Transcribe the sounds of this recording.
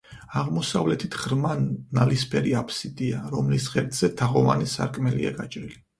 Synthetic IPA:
aʁmɔsavlɛt̪ʰit̪ʰʁɾmanːalispʰɛɾiapʰsid̪iaɾɔmlisʁɛɾt̪ʼz̥ɛt̪ʰaʁɔvanisa̰ɾkʼmɛlḭa̰ɡat͡ʃʼɾili

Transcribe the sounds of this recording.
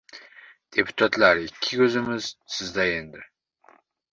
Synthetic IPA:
d̪̥epʰu̥t̪ʰat̪ʼlaɾikʲʰːiɡʲøzɨmɨz̥sɨzd̪ajend̪ɨɾ

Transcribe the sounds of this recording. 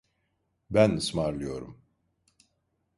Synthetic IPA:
bænɯsmaɾlˠɯjo̞ɾum

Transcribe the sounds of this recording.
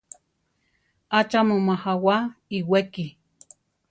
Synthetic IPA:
at͡ʃamumahawaiweki

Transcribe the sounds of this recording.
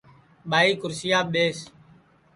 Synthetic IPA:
ɓaːiːkʊɾsɪjaːɓeːs

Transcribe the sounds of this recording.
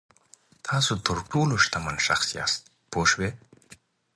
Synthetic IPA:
t̪ʰɑːsot̪əɾʈoːloʂt̪amanʃa̰xsijɑ̰ːst̪̚ | poːʃwe

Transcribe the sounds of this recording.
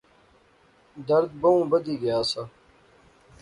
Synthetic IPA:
d̪ɐɾd̪̚bɐũːbɐd̪iːɡɐjaːsa

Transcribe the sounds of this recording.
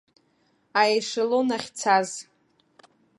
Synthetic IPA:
ajʂalonaχʲt͡sʰaz

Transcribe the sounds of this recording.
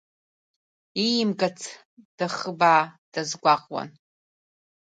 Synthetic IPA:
ijɪmɡat͡sʰ | d̥aχəbaːd̥azɡʷaqʼwa̰n

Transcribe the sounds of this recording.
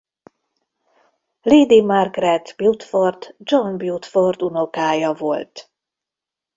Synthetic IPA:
liːd̪imarɡrɛt̪b̥jut̪ford̪d͡ʒonbjut̪fort̪uno̞kaːjɒvo̞lt̪

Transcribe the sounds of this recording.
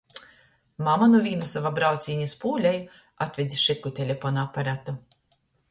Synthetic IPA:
mamanuvʲiːnusavabɾawt̪sʲiːɲaspuːlʲaj | at̪vʲed̪ʲiʃɨkːut̪ʲelʲefɔnaapaɾat̪u

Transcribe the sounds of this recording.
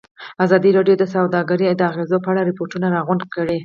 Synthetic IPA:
azɑd̪iɾɑɖjod̪əsawd̪ɑɡaɾid̪əaɣezopəaɽaɾɪpoʈunaɾɑɣʊɳkəɽe

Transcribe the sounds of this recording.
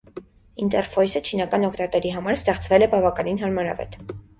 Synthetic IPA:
int̪ɛɾfɔjsət͡ʃʰinɑkɑnɔkʰt̪ɑt̪ɛɾiɦɑmɑɾst̪ɛχt͡svɛlɛbɑvɑkɑninɦɑɾmɑɾɑ̰vɛ̰t̪

